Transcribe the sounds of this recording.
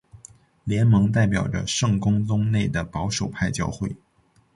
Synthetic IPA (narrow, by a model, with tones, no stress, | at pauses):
ljɛ˧˥nmɤ˧˥ŋt̪a˥˩ɪp̬jɑ˨˩ʊʈ͡ʂə̰˦ʂɤ˥˩ŋkʊ˥ŋt͡sʊ˥ŋne˥˩ɪd̪ə˩pɑ˧˥ʊʂo˨˩ʊpʰa˥˩ɪt͡ɕjɑ̰˥ʊxwe˥˩ɪ